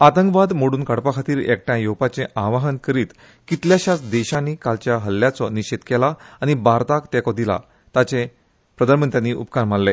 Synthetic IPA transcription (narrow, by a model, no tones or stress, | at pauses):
at̪əŋkʋad̪moɽuːnkəɽpakʰat̪iːɾɛ̰k̚ʈjãjowpat͡sẽʔaʋaɦənkəɾiːt̪ | kit̪ljaɕat͡sd̪ɛɕanikalt͡ɕjaɦəljat͡sɔniɕet̪kɛlaaɽ̃ibaɾt̪akt̪ɛkɔd̪ila̰ | t̪at͡se | pɾəd̪ʱəɾmənt̪janːiʔupkaɾm̤allːe